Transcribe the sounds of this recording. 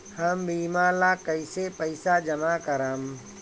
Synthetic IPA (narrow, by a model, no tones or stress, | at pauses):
həmbiːmalakəɪsepəɪsad͡ʒəmakəɾəm